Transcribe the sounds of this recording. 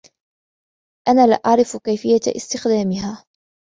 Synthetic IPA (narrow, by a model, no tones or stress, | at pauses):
ʔanaːlɪʔaʕɾɪfkajfɪjːaʔɪ̰st̪ɪxd̪aːmɪɦaː